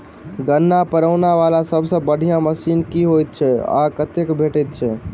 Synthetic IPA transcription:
ɡənːapəɾəʊnaʋalasəbʱsə̃bəɽ̤ʱijãməsinkiɦojt̪̚t͡ʃʰɛa̰kət̪ekbʱeʈɛt̪̚t͡ʃʰɛ

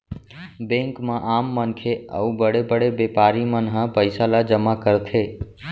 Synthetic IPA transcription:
bẽŋkmãʔaːmːənkʰeə̰ubəɽebəɽebepaɾimənɦə̃pəɪsalad͡ʒəmakəɾt̪ʰe

